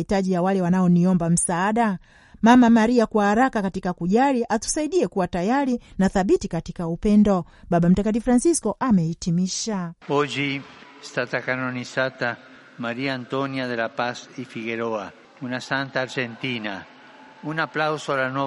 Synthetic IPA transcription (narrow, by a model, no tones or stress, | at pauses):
itaʄijawalɛwanaɔniɔmbam̩saːɗa | mamamaɾiakwahaɾakakatikakuʄaliʔatu̥saiɗiɛkuwatajaɾinaθaɓitikatikaupɛndɔ | ɓaɓam̩takatifɾansiskɔʔamɛitimiʃaɔd͡ʒi | st̪at̪akanɔnisat̪a | maɾiaːnt̪ɔniaðelapasifiɣɛɾɔa | unasant̪aːɾd͡ʒɛnt̪ina | unaplawsɔalanɔ